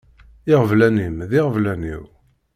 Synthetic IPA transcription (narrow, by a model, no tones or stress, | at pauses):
ɪʁəvlænimðɪʁəvlænḭw